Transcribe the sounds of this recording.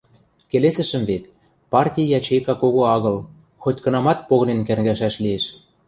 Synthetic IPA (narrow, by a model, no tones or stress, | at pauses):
kelesɘ̆ʃə̆mvet̪ | pɑrtʲijjɑt͡ɕekɑkoɣoɑɣɤ̆l | xot̪ʲkɤ̆nɑmɑt̪̚poɣɤ̆nenkærɣæʃæʃlieʃ